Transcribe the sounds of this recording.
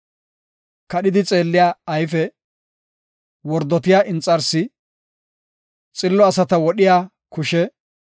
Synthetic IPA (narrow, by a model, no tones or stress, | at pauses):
kɐɗɪd̪ɪt͡sʼeːlːɪjaːjfɛ | wɔɾd̪ɔt̪ɪjaːʔɪnt͡sʼːɐɾsɪ | t͡sʼɪlːɔɐsɐt̪ɐwɔɗɪjaː | kʊʃɛ